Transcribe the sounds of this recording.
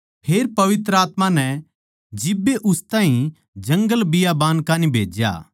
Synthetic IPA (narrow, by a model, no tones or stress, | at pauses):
pʰeːɾpɐʋɪt̪ɾəaːt̪mãnɛ | d͡ʒɪbːeʔʊst̪ãːɦĩ | d͡ʒɐ̃ŋɡəlbɪjabaːnkaːnĩbʱeːd͡ʒja̰ː